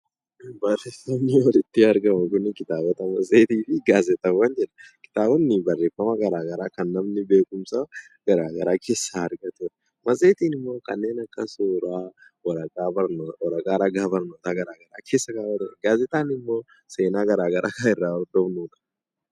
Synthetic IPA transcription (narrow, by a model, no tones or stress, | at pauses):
bɐreːfɐmːɪɔlɪt̪ːɪɐɾɡɐmʊkʊnːɪkɪt̪aːbɐt̪ɐmɐsʼeːt̪iːfɪɡaːzɛt̪ɐwɐnd͡ʒɛᶑɐ̥kɪ̥t̪aːbɔnːɪbɐrːeːfːɐmɐɡɐɾaːɡɐɾaːkɐnːɐmnɪbe̞ːkʼʊmsa | ɡ̥ɐɾaːɡɐɾaːkʰe̞ːsːaɐɾɡɐt̪ʊ | mɐsʼeːt̪iːnɪmːo̞ːkɐnːe̞ːnɐkːɐsoːɾaː | wɐaɐɾɐkʼaːɾɐɡaːbɐɾnoːt̪aːɡɐɾaːɡɐɾaːkʰeːsːɐɡaːwɐd̪ɛɡaːzɛt̪aːnɪmːo̞ː | seːnaːɡɐɾaːɡɐɾʔa̰ːkaɪrːaːɔɾd̪ɔmnuːᶑɐ̥